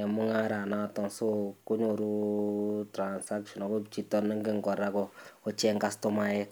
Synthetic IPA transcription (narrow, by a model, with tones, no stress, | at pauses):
ɛ˨mʊ˦ŋa˦ɾa˨na˦tɔ˨ŋso˦kʊ˦ɲo˨ɾu˦ | tɾa˨nsa˦kʃɔ˨nɔ˨kɔ˦t͡ʃi˦˨tɔ˦nːɪ˦ŋɡɪ˦ŋkɔ˨ɾa˦kɔ˦ɔ˦t͡ʃɛ˦ŋka˦stɔ˦ma˦jɛ˦